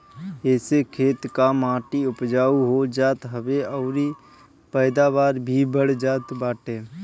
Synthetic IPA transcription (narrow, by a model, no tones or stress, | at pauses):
ɛːsekʰeːt̪kamãːʈiʊpd͡ʒaːuɦod͡ʒaːt̪ɦəʋeɔʊɾi | pəːd̪abaːɾbʱibəɽd͡ʒaːt̪baːʈeː